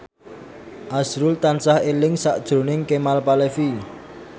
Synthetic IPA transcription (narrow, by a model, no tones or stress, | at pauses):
ʔasɾʊlt̪ansahelɪŋsaʔd̥ʒ̥ɾo̤nɪŋkemalpalefi